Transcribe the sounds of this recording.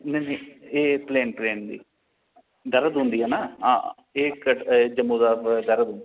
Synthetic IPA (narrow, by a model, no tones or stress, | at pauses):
neːneːeːpleːnpleːnd̪ḭː | ɖ̪əɾəd̪ɦʊ̃nd̪iːɦɛːnaːɦã̰ː | eːkəʈd͡ʒəmõːd̪aːɖ̪əɾəd̪ɦʊnd̪i